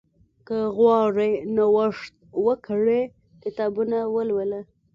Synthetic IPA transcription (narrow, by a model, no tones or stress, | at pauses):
kəɣwɑɾenawəʂt̪̚wəkʰəɽe | kɪt̪ɑbunawəlwələ